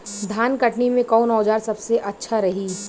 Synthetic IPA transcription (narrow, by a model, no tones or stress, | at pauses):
d̪ʱaːnkɐʈnimẽkɔːnɔːd͡ʒaːɾsɐbseʔɐtːʃʰaɾɐɦiː